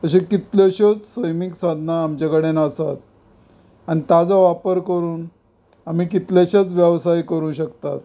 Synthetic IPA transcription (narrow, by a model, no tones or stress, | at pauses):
t̪əɕẽkit̪ljoɕot͡ssəjmiksad̪ʱnaːmt͡ɕakəɽenəsat̪̚ | añit̪jad͡zaʋapəɾkəɾuːn | amiːkit̪laɕat͡sʋjəʋsajkəɾũːɕəkt̪at̪̚